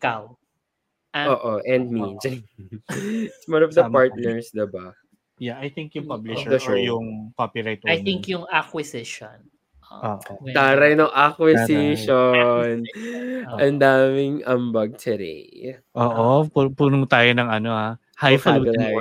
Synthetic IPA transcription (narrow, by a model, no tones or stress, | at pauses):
kaw | ʔoːʔoʔɛ̃nd̪̚mid͡ʒɐŋ | ɪswɐ̃nɔfd̪ɐpaɹt̪nɛɹsd̪ɪba | jaʔɐjθɪŋkjʊŋpablɪʃɛd̪oɛjʊŋpopɪɾajt̪̚aj̪ɪ̃ŋkjʊŋakwɪsɪʃon | ʔoːʔot̪aɾɐjnoŋʔakwɪsiʃon | ʔɐnd̪aːmɪŋʔɐmbɐɡ̚t̪ʰɛɾḭʔoːʔopupuːnʊŋt̪aːjonɐŋɐnoa | hajfɐaɡɐa